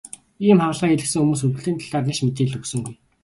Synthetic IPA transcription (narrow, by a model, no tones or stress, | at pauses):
iːmχawɮʁiːŋeɮɘ̆ksɘ̆ŋxumuːsɵrwɘ̆ɮt̪iːnt̪ʰaɮaːrnaʃmet̪eːɮɵksɵ̆ŋɡuj